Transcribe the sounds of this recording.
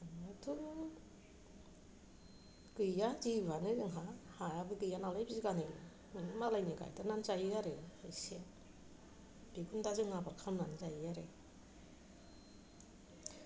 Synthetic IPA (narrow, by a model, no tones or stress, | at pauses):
atʰu | ɡɯjjadibanɯzɯŋɦahajabɯɡɯjanalajbiziɡanɯjnɯ | malajnɯɡa̰jtananzajɯjaɾɯhajse | b̥iɡundazɯŋabaɾkʰamnanzajɯjaɾe